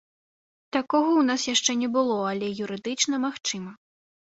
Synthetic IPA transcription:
t̪akɔɣɐwnasjaʂt͡ʂɛnʲɛbɨlˠɔɐlʲɛjuɾɨd̪ɨt͡ʂnɐmaxt͡ʂɨmɐ

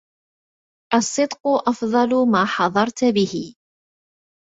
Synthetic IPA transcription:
ʔɑsˤːɨd̪qʊʔɑfðˤɑlʊmaːħɑðˤɑɾˤt̪bɪhɪ

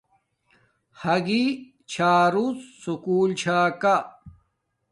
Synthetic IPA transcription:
hɐɡi | t͡ɕʰaːɾusːukuːlt͡ɕʰaːka

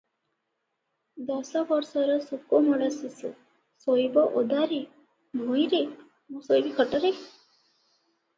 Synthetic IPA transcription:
d̪ɔsɔbɔɾsɔɾɔsukumɔɽasisṵ | sojbɔʔod̪aɾi | mʱojɾe | mũsojbikʰɔʈɔɾe

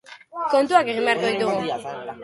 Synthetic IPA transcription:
kont̪uakeɣimeaɾk̪oid̪uɣu

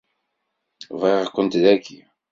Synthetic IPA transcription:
veʁʁkʷːənt̪ðækʰːi

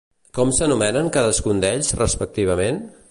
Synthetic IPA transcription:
kɔmsənumɛnəŋkaðəskund̪ɛʎzrəspək̚t̪iβ̞əmen

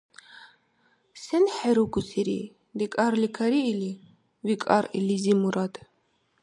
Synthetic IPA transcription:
sɛnħɛɾuɡusʰiɾḭ | d̪ɛkʼaɾlikʰaɾiːli | vikʼa̰ɾḭlizimuɾad̪

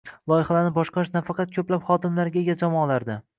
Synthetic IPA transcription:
lˠɒjɪhalaɾnɪbɒʃqɑʃnafɑqʰɑt̪̚kʰʲɵplapχɒd̪ɪmlaɾɡʲaeɡʲad͡ʒɒmɒːlaɾd̪ɪ

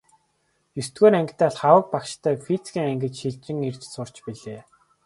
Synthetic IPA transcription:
jist̪ɡoːɾæŋkʲt̪æːɮχawə̆k̚pakʃt̪ʰæːfit͡skʲiːŋæŋɡɘ̆t͡ɕʃiɮt͡ɕ̪rɘ̆ŋir̥t͡ɕsʊr̥t͡ɕpiɮeː

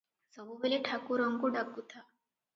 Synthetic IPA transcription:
səbubeliʈʰakuɾəŋkuɖakut̪ʰa

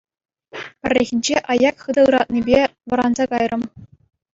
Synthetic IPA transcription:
pʲɘ̆rʲːeɣʲinʲd͡ʑeʔɑjɑkχɯd̪ɤɯɾɑt̪̚nʲibʲeʋɤ̆ɾɑnzɑkɑjrʔɤ̆m

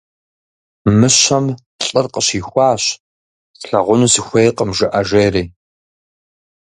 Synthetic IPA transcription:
mɨɕɐm | ɬʼɨrqəɕiːxʷɑːɕ | sɬɐʁʷʊnuːsixʷejqəmʒɨʔɐʒeːriː

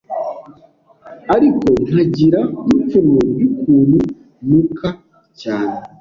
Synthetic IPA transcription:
aɾiko̞n̥haɟiɾaip͡funojukʰuːnhu | mukʰa | caːne

